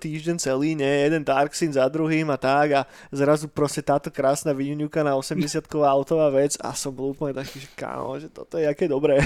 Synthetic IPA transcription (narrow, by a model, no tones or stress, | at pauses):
t̪iːʒɟɛnt͡sɛliːɲɛjɛd̪ɛnd̪aɾksinzad̪ɾuɦiːmat̪aɡa | zɾazupɾɔscɛt̪aːt̪ɔkɾaːsnaːʋiɲuɲukanaɔsɛmɟɛsɪat̪kɔʋaːaʊt̪ɔʋaːʋɛd͡za̰sɔmbɔlˠuːpl̩ɲɛt̪akiːʒɛka̰ːmɔ̰ʒɛt̪ɔ̰t̪ɔjɛakɛːd̪ɔbɾɛː